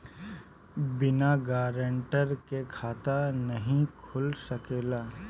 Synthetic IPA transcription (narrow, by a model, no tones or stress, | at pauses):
bɪnaɡaːɾəɳʈəɾkekʰaːt̪anəɦĩkʰʊlsəkeːlaː